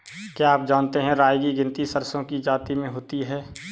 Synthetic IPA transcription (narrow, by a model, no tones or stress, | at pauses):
kjaːp̚d͡ʒaːnt̪eɦɛ̃ɾaːjɡiɡɪ̃nt̪isəɾsõkid͡ʒaːt̪imẽɦoːt̪iɦɛː